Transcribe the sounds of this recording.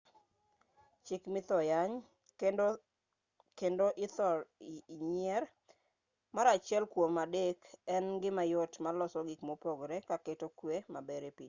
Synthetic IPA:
t͡ʃɪkmɪt̪ɔjaɲ | kendoʔɪt̪ɔɾɲɛr | maɾat͡ʃɪɛlkwomadekɛnɡɪmajɔtmalɔsɔɡikmopoɡɾɛkaketokwemabɛɾepiɲ

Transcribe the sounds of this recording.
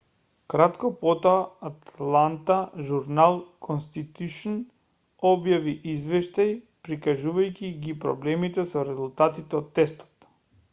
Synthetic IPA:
kɾat̪kɔpɔt̪ɔaːt̪lˠant̪aʒuɾnalˠkʰɔnst̪it̪uʃn | ɔbjaviʔizvɛʃt̪aj | pɾikaʒuvajcʲiɡipɾɔ̰blɛmit̪ɛsɔɾɛzulˠt̪at̪it̪ɛot̪ːɛst̪ɔ̥t̪

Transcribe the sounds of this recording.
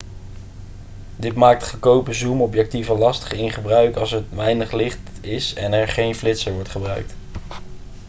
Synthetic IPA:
dɪtmaːk̚tχəkowpəzumɔpjɛk̚tivəlɑstə̥χɪnχəbrœɥkɑlˠsətʋɛjnəχlɪχtɪsɛnɛɹχejnflɪtsəɹʋɔɹtχəbrœɥk̚t

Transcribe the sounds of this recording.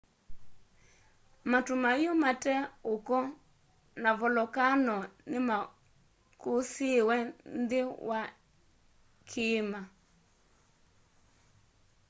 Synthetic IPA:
matumajomatɛokɔ | navɔlɔkanɔnɪma | kosiwɛndɪwʔa | kʰɪma

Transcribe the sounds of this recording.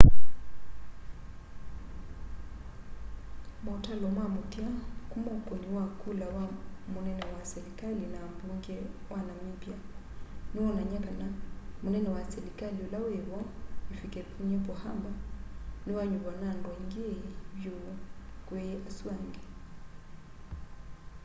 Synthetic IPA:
mautalɔmamutiakumɔpɔniwakulawamunɛnɛwasɛlikalinambuŋɡɛwanamipjaniwɔnaɲakanamunɛnɛwasɛlikaliolaweβɔifikɛpʰuɲɛpɔhambaniwaɲuβanandwɔiŋɡeβjokweasuaŋɡɛ

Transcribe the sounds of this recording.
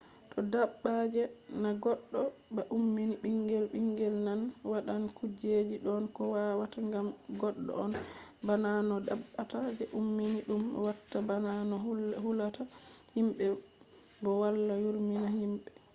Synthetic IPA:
tʰɔdaɓːad͡ʒɛnaɡɔɗːɔbaʔumːiniɓiŋɡɛlɓiŋɡɛlnanwaɗankud͡ʒed͡ʒiɗɔnkɔwawataŋɡamɡɔɗːɔ̰ɔnbananɔdaɓːatad͡ʒɛʔumːiniɗumwatːabananɔhulatahimɓɛ | bɔwalːajuɾminahimɓɛ

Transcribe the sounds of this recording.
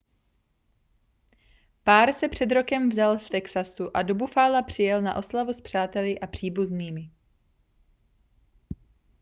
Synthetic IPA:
paːɾsɛpr̝̥ɛd̪ɾo̞kɛmvzalft̪ɛksasuʔadobufaːlapr̝̥ɪjɛlnaʔo̞slavuspr̝̥aːt̪ɛlɪʔapr̝̥iːbuzniːmɪ

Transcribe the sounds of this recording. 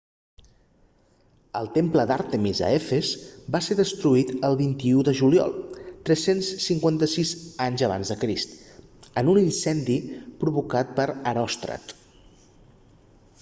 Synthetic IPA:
əlˠt̪empləd̪aɾt̪əmizə̰efezbaseðəst̪ɾuit̪əlˠβint̪iuðəʒuliɔ̰lˠt̪ɾɛsensːiŋkwant̪əsizaɲzəβ̞a̰nzðəkɾist̪ | ənuninsɛnd̪ipɾuβukat̪̚pəɾəɾɔst̪ɾə̰t̪

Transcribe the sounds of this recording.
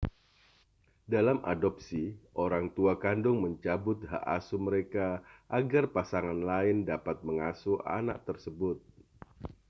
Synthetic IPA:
dalamʔa̰dɔp̚siʔoɾaŋt̪uakandʊŋməɲt͡ʃabʊt̪̚ha̰ʔasuməɾekaʔaɡarpasaŋanlaɪndapat̪̚məŋasua̰na̰ʔ̚t̪ərsəbʊt̪̚

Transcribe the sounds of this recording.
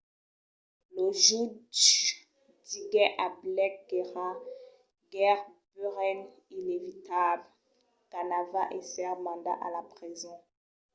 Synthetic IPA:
loʒud | diɡɛʔablɛkɡeʁa | ɡɛʁbøʁɛn | inevit̪abl | ɡ̥anavaʔesɛʁmɑ̃d̪a̰ʔalapχizɔ̃

